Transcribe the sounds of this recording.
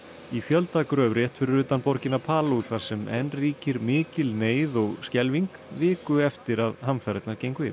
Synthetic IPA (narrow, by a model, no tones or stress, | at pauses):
ifjœlt̪aːkʏɾœvɾjɛht̪fɪɾʏɾʏːt̪anpɔɾcɪnapʰaːluwɾθaɾ̥sɛmɛnriːcɪɾmɪːcɪlneːjðɔɣscɛlviŋkvɪːkʏɛft̪ɪɾaðhamfaɾɛt̪naɾcejŋkvɪ̰